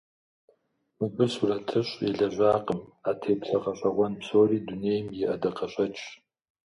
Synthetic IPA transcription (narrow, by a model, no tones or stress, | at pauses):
mɨpʼɨsuɾɐtʰɨɕʼɛɮɐʒʷaːqəmaːtʰeːpɬɐqɐɕʼɐʁʷɔnpsoːriːduneːjmjɛʔɐdɐqɐɕʼɐt͡ʃʼ